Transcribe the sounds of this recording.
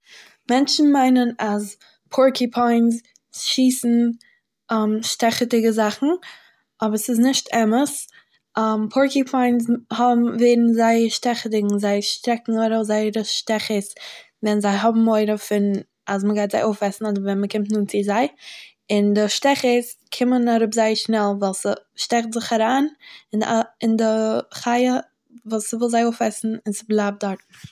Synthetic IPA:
mɛnt͡ʃn̩maɪnənaz | pʰɔɹkipʰɔɪns | ʃiːsn̩ | amʃtɛχətɪɡəzaχn̩ | ɔbəɾsɪznɪʃtɛməs | mpʰɔɹkipʰɔɪnshɔbm̩veɪɾn̩zaɪəɾʃtɛχətɪɡŋ̩zaɪʃtɾɛkŋ̩oɪɾozaɪəɾəʃtɛχəs | vɛnzaɪɦɔbm̩oɪɾəfɪn | asməɡaɪtz̥aɪʔoʊfɛsn̩ɔdəɾvɛnməkɪmtnuːnt͡sɪzaɪ | ɪndɪʃtɛχəskʰɪmənaɾʊpzaɪəʃnɛlˠvalˠsəʃtɛχtzɪχaɾaːnɪnɪndɪχaɪə | vuːsəvɪlˠzaɪoʊfɛsn̩ɪnsɪblˠaːb̚dɔɾtm̩

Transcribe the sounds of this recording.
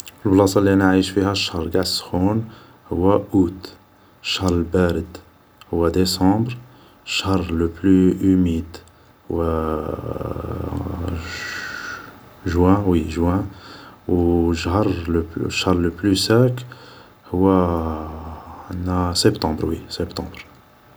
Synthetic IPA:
fəlblɑsɑliænaʕiʃfihæʃɾˤɡad̪sxun | hʊwːæʔut̪ | ʃəhɾˤəlbæɾəd̪ | hʊwːæd̪esɑ̃bɾ | ʃhhɾˤləplyʔəmid̪ | hʊwæ | ʒwæ̃wiʒwæ̃ | ʃhəɾˤləʃaɾˤləplysæk | hʊwːæ | nːæsɛbt̪ɑ̃bɾwisɛbt̪ɑ̃bɾ

